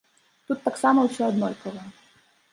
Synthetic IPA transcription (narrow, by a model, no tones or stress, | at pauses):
t̪ut̪ːaksamɐwsʲɔɐd̪nɔjpɔvˠɛ